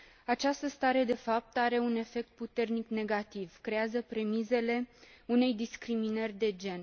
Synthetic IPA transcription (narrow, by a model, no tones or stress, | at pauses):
at͡ʃast̪əst̪aɾe̞d̪e̞fap̚t̪aɾe̞une̞fe̞k̚t̪̚put̪e̞rnikne̞ɡat̪ivkɾe̞azəpɾe̞mize̞le̞une̞jd̪iskɾiminərʲd̪e̞d͡ʒe̞n